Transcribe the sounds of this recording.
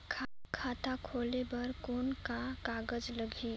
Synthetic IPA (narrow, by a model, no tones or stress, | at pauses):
kʰakʰaːt̪akʰoːlebəɾkoːnkakaːɡəd͡ʒləɡʱi